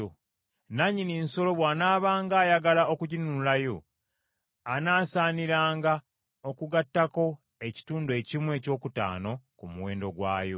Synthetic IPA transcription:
o | naɲiniːnso̞lo̞βwaːnaːβaːŋɡaːjaɡalaʔo̞kuɟinuulajo̞ | anaːsaːniɾaːŋɡa | okuɡatːako̞ | e̞ci̥tuːndue̞ːcimwe̞ːco̞ːkuta̰ːno̞kumuweːndo̞ɡwa̰ːjo̰

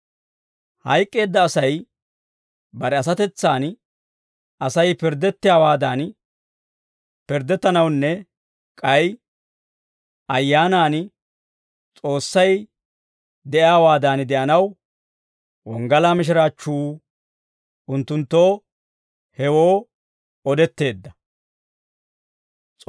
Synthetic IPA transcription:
hɐjkʼːe̞ːd̪ːɐːsɐj | bɐɾɛɐs̬ɐt̪ɛt͡sːaːn | ɐsɐjpɪɾd̪ːɛt̪ːɪjaːwaːd̪aːn | pɪɾd̪ɛt̪ːɐnɐwnːɛ | kʼɐj | ɐjːaːnaːn | t͡sʼo̞ːsːɐj | d̪ɛʔjaːwaːd̪aːnd̪ɛʔɐnɐw | wɔŋɡɐlaːmɪʃ̬ɪɾaːt͡ʃːuː | ʔʊnt̪ːʊnt̪ːo̞ː | hɛwoː | ɔd̪ɛt̪ːe̞ːd̪ːɐ | t͡sʼ

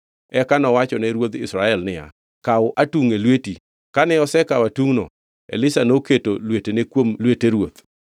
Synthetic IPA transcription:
ɛkanɔwat͡ʃɔnɛɾwot̪ɪsɾaɛlnɪja̰ | kaʊʔatuŋelweti | kanɛɔsɛkawatuŋno̰ | ḛlɪsanoketolwetenekwomlweteɾwot̪

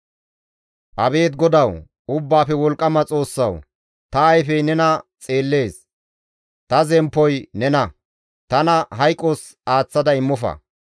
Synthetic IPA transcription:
ʔɐbe̞ːt̪̚ɡɔd̪ɐw | ʊbːaːfɛwɔlkʼːɐmɐt͡sʼo̞ːsːɐ̰w | t̪ɐɐjfɛjnɛnɐt͡sʼe̞ːlːe̞ːs | t̪ɐzɛmpːɔjnɛnɐ | t̪ɐnɐɦɐjkʼːos | aːt͡sːɐd̪ɐɪmːɔfɐ̰

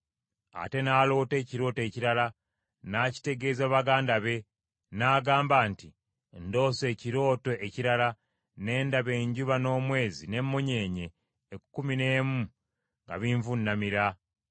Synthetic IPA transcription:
a̰te̞naːlo̞ːte̞ːciɾo̞ːte̞ːciɾala | naci̥te̞ɡe̞ːzaβaɡaːndaβe̞ | naːɡaːmbaːnti | ndo̞ːse̞ːciɾo̞ːto̞ʔeciɾala | ne̞ːndaβe̞ːɲɟuβano̞ːmwe̞ːzine̞mːo̞ɲe̞ːɲe̞ː | kukumine̞ːmu | ŋɡa̰βiɱvunːamiɾa

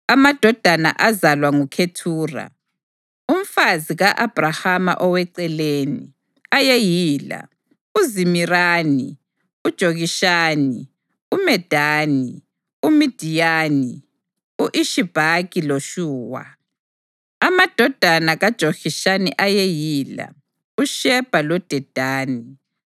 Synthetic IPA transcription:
amad̥ʱɔd̥ʱana̰ʔazalwaŋukʰetʰuːra̰ | um̩faziɣaʔab̥ʱrahama̰ʔɔwɛǀɛleːnḭ | ajejiːla̰ | uzimiraːni | ud̥ʒ̥ʱoɣiʃaːni | umɛd̥ʱaːni | umid̥ʱijaːni | uʔiʃib̥ʱaɣiloʃuːwa̰ | amad̥ʱɔd̥ʱanaɣad̥ʒ̥ʱoɣiʃaniʔajejiːla̰ | uʃɛb̥ʱalɔd̥ʱɛd̥ʱaːni

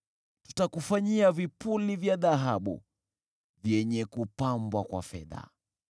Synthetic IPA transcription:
tu̥takufaɲiavipulivjaðaɦaɓṵ | vjɛɲɛkupambwakwa̰fɛ̰ða̰

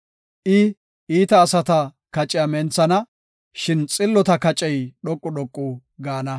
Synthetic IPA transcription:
ʔɪ | iːt̪ɐːsɐt̪ɐ | kɐt͡ʃʼːɪjɐmɛnt͡sɐnɐ | ʃɪnt͡sʼɪlːɔt̪ɐkɐt͡ʃʼɛjɗɔkʼːʊɗɔkʼːʊ | ɡaːnɐ

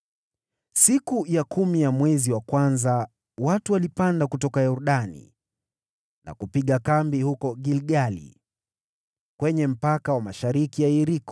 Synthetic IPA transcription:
sikujakʰumijamwɛziwakwanza | watuwalipandakutɔkajɔɾuɗanḭ | na̰kupiɠakambihukɔɠilɠalḭ | kwɛɲɛm̩pakawamaʃaɾikijaiɾikɔ̥

